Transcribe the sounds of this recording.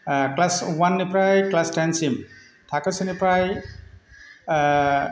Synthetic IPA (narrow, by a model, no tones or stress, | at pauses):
klaswanːipɾajklasʈansim | tʰakasɯnipɾaj